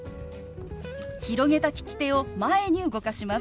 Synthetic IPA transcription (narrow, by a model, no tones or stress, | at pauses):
çiɾo̞ɡe̞t̪akʲi̥kʲi̥t̪e̞o̞mae̞ɲ̟iɯ̟ɡo̞kaɕima